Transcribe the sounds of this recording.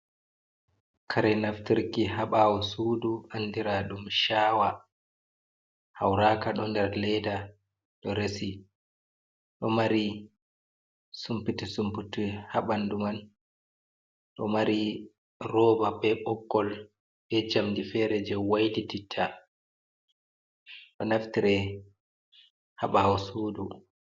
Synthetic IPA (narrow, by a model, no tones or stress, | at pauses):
kʰaɾɛnaftiɾkiɦaɓawɔsuːduanːdiɾaɗumʃaːwa | hawɾaːkaɗɔndɛɾlɛda | ɗɔɾesi | ɗɔmaɾi | sumpitisumputihaɓanduman | ɗɔmaɾi | rɔːbabɛɓɔkːɔl | bɛd͡ʒamdifɛːɾɛd͡ʒɛwajdititʰːa | ɗɔnaftiɾɛ | haɓahawsuːdu